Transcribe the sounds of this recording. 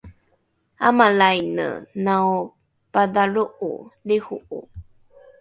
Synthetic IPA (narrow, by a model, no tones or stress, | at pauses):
amalajnə̰naw | padaɭuʔṵlehuʔṵ